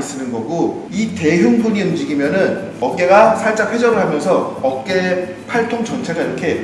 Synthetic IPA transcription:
is͈ɯnɯnɡʌɡo | ite̞juŋdʰoɲiund͡ʑiɡimjʌnɯn | ʌk̚k͈e̞ɡasʰaɭt͡ɕ͈akʰwe̞d͡ʑʌɾɯɭhamjʌnsʰʌʌk͈e | pʰaɭtʰoŋd͡ʑʌnt͡ɕʰe̞ɡaiɾʌkʰe̞

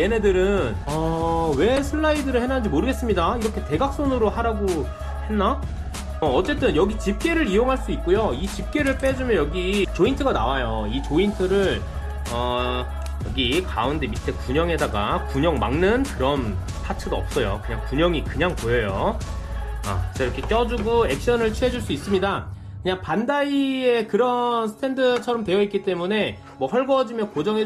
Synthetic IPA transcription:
ene̞dɯɾɯnʌwe̞sʰɯɭːaidɯɾɯɭhe̞nand͡ʑimoɾɯɡe̞s͈ɯmɲidaiɾʌkʰe̞te̞ɡak̚s͈onɯɾohaɾaɡo | he̞nːa | ʌʌt͡ɕ͈e̞t͈ɯnjʌɡit͡ɕip̚k͈e̞ɾɯɾijoŋɦaɭs͈uik̚k͈ojoit͡ɕip̚k͈e̞ɾɯɭp͈e̞d͡ʑumjʌjʌɡit͡ɕointʰɯɡanawajoit͡ɕointʰɯɾɯɭ | ʌ | jʌɡikaunde̞mitʰe̞kuɲʌŋɦe̞daɡakuɲʌŋma̰ŋnɯnkɯɾʌn | tʰatʰɯɡaʌp̚s͈ʌjo̰kɯɲaŋkuɲʌŋikɯɲaŋpojʌjo | a̰is͈ʰʌiɾʌkʰe̞k͈jʌd͡ʑuɡoe̞k̚ɕ͈ʌnɯɭt͡ɕʰue̞d͡ʑuɭs͈uis͈ɯmɲida | kɯɲaŋpandaie̞kɯɾʌnsʰtʰe̞ndɯt͡ɕʰʌɾʌmtwe̞jʌit̚k͈it͈e̞mune̞ | mwʌɸʌɭɡʌd͡ʑimjʌnkod͡ʑʌŋe

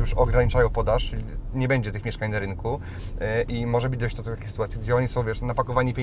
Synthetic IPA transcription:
juʂɔɡɾaɲit͡ʂajɔ̃w̃pɔd̪aʂt͡ʂɘlʲiɲɛbɛɲd͡ʑɛt̪ɘxmʲjɛʂkaɲnaɾɘŋku | ʔimɔʐɛbɘd͡ʑd̪ɔɕt͡ɕd̪ɔt̪at̪akʲexsɨt̪uwat̪sjiɡd͡ʑɛɔɲisɔ̃w̃vʲjɛʂnapakɔvaɲipʲje

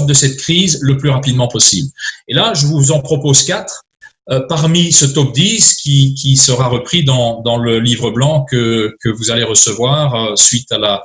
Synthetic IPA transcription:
d̪əsɛt̪̚kχizləplyʁapid̪mɑ̃pɔsḭblelaʒəvuzɑ̃pχɔpozkat̪χ | øpaʁmisət̪ɔp̚d̪iskʲikʲisəʁaʁəpχid̪ɑ̃d̪ɑ̃ləlivʁəblɑ̃kəkəvuzaleʁəsəvwaʁøsɥit̪ala

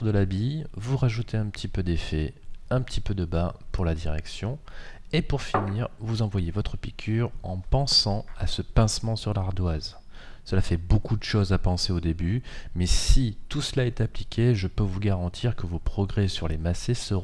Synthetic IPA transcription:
əd̪əlabijvuʁaʒut̪ʰeɛ̃pət̪ipød̪efɛɛ̃pət̪ʰipød̪əbapuʁlad̪iʁɛ̰ksjɔ̃ | epuʁfiniːʁvuzɑ̃vwajevɔt̪χəpikʲʰyʁɑ̃pɑ̃sɑ̃asəpɛ̃smɑ̃syʁlaʁd̪waz | səlafɛbokud̪əʃozapɑ̃seod̪ebymɛsit̪usəlaɛt̪ãplikʲʰeʒəpøvuɡaʁɑ̃t̪ʰiʁkəvopχɔɡʁɛsyʁlemasesəʁ̃

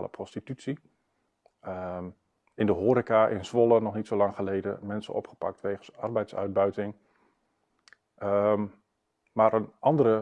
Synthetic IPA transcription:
lə̰pʰrɔstitytsi | ɪndəɦoːɾikaʔɪ̰nsʋolənɔχnitsolɑŋχəlejdə̰mɛnsə̰nɔ̰pχə̥pa̰k̚tʋejχən̩sɑ̰rbɛjtsœ̰ɥd̚bœɥtɪŋ | maːɾʔənʔɑndəɾə

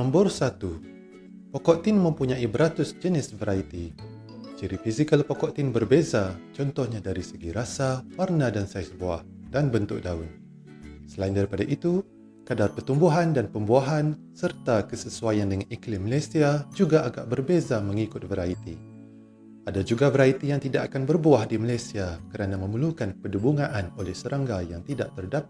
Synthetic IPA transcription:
nɔmbʊrsat̪u | pokɔʔt̪ɪnmə̃mpuɲãibəɾat̪ʊsd͡ʒənɪsvəɾait̪i | t͡ʃiɾifizikəlpɔkɔʔt̪ɪnbərbezat͡ʃɔnt̪ɔhɲãdaɾisəɡiɾasawarnadansajsboa̰h | danbənt̪ʊk̚daʊn | səlaindaɾipadaʔit̪u | kadarpərt̪umbuɦandanpəmbuaɦan | sərt̪akəsəsuajandəŋaniklɪmːalajsiad͡ʒuɡaʔaɡa̰ʔbərbezaməŋikʊt̪̚vəɾait̪i | adad͡ʒuɡavəɾait̪ijaŋt̪idaʔakanbərbuahdimalajsiakəɾanamə̃məlukanpədubuŋãʔanolɛhsəɾaŋɡajaŋt̪idaʔ̚t̪ərdap̚

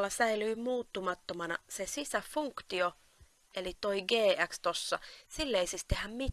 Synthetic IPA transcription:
lːɑsæilyːmuːt̪ːumɑt̪ːomɑnɑ̰sesisæfuŋkt̪io | elit̪oiɡeːʔækst̪osːɑsilːeisist̪ehæmmit̪

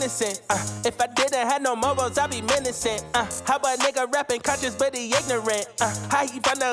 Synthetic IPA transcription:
nɨsɨ̃nt̚ɨfaɪdɪdⁿn̩t̚ɦɨvnoʊmoʊbalˠzaɪlˠbimɪnɨsɨ̃nt̚haʊbanɛɡəɹæpɨ̃nkʰʌ̃nt͡ʃɨzwɪðiɪɡ̚nəɹɨ̃nt̚haifʌ̃nə

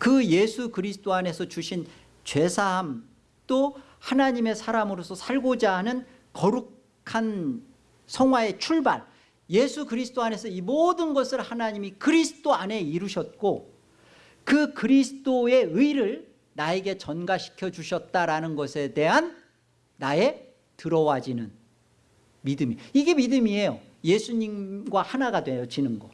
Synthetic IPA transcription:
kɯje̞sʰukɯɾisʰt͈oane̞sʰʌt͡ɕuɕʰin | t͡ɕwe̞sʰaɦam | t͈o | hanaɲime̞sʰaɾamɯɾosʰʌsʰaɭɡod͡ʑaɦanɯn | kʌɾukʰ | an | sʰʌŋwae̞t͡ɕʰuɭbaɭ | je̞sʰukɯɾisʰt͈oane̞sʰʌimodɯnɡʌsʰɯɭhanaɲimikɯɾisʰɯ̥t͈oane̞iɾuɕʰʌt̚k͈o | kɯkɯɾisʰɯ̥t͈oe̞ɯiɾɯɭ | nae̞ɡe̞t͡ɕʌnɡaɕʰi̥kʰjʌd͡ʑuɕʰʌt̚t͈aɾanɯnɡʌsʰe̞de̞ɦanː | ae̞ | tɯɾʌwad͡ʑinɯn | midɯmiiɡe̞midɯmie̞jo | je̞sʰuɲimɡwahanaɡadwejʌd͡ʑinɯnɡʌ

